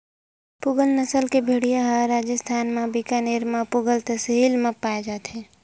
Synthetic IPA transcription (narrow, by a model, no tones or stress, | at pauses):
pʊɡəlnəsəlkebʱeːɽijaɦaɾaːd͡ʒəst̪ʰaːnmẽbikaneːɾmãpʊɡəlt̪əsɦiːlmẽpaːed͡ʒaːt̪ɦɛ̃ː